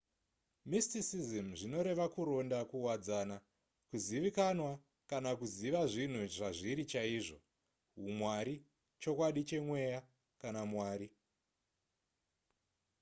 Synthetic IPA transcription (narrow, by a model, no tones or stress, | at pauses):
mistisizimʐino̞ɾe̞ʋakuɾo̞ndakuwad͡zana | kuziʋikanwa | kanakuziʋaʐin̤uʐaʐiɾit͡ʃaiːʐo̰ | ɦumwaɾi | t͡ʃo̞kwaɗit͡ʃe̞mwe̞ja | kanamwaːɾi